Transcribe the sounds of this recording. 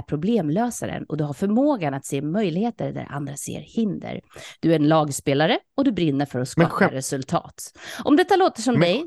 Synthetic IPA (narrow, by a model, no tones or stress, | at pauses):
ɾpʰɾʊbleːmløːsaɾə̰nɔd̪ɵɦaɾfœɾmoːɡanat̪seːmœjlɪheːt̪əɾd̪æ̰ɾʔa̰nd̪ɾasḛːɾhɪnd̪ə̰ɾd̪̥ɵæɾnlɑːɡspeːlaɾəɔd̪ɵbɾɪnːəɾfœɾɔskːɾɛsɵlt̪ʰɑ̰ːt̪ʔɔmd̪ɛt̪ːaloːt̪əʂɔmd̪ɛj